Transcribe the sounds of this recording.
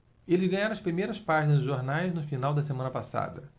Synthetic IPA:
elɪzɡɐ̃ɲaɾɐ̃ɐspɾimejɾɐspaʒinɐzd̪ʊʒoɾnajznʊfinawd̪ɐsemɐ̃nɐpasa̰d̪ɐ

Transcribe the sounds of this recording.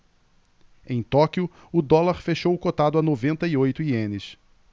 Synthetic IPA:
ẽj̃t̪ɔkjʊ | ʊd̪ɔlaɾfeʃowʊkot̪ad̪ʊanovẽnt̪ɐiojt̪ʊiẽnɪs

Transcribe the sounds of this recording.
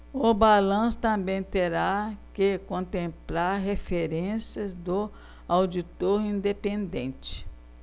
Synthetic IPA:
ʊbalɐ̃sʊ̥t̪ɐ̃mbẽj̃t̪eɾakɪkõnt̪ẽmplaɾɦefeɾẽsiɐzd̪ʊ | awd͡ʒit̪oɾĩnd̪epẽnd̪ḛ̃nt͡ʃɪ̥

